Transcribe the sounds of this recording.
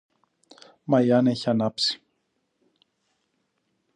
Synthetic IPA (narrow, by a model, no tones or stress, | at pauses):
mɐiɐne̞çiɐnɐpsi̥